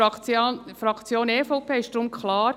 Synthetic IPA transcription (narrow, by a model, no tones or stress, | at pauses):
fɾɑkt͡sjoːneːfɔʊpʰeːɪʃtdɾʊmkʰlɑːɾ